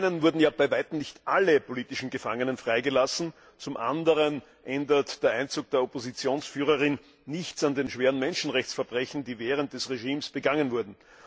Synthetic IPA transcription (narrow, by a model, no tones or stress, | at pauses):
ɪnənvʊɐdn̩jaːbæɪvaɪtm̩nɪçtʔaləpʰoliːtɪʃn̩ɡəfaŋənənfʁ̥aɪɡəlasn̩ | t͡sʊmʔa̰ndəʁən | ʔɛndɐtd̥eːɐʔæɪnt͡suːk̚d̥eːɐopozit͡sjoːnsfyːʁəʁɪnː | ɪçt͡sandeːnʃveːʁənmɛnʃn̩ʁɛçt͡ssfɛɐbʁɛçn̩d̥iːvɛːʁənt̚d̥ɛsʁeʒiːmsb̥əɡaŋənvʊɐdn̩